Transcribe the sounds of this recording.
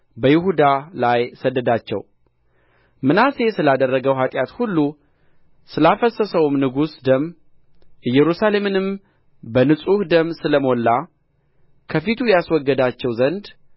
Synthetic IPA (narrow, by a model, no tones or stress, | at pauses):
bəjɪhud̪alajsəd̪ːəd̪at͡ʃːɛ̰w | mɨnase̞sɨlad̪ərːəɡəwɦat̪ʼjat̪hulːu | sɨlafəsəsəwmnɨɡusd̪əmː | ɨjːɛɾusale̞mɨnɨm | bənɨsʼuhd̪əmsɨləmo̞lːa | kʰəfit̪ʰujaswɔɡːəd̪at͡ʃːɛwzənd̪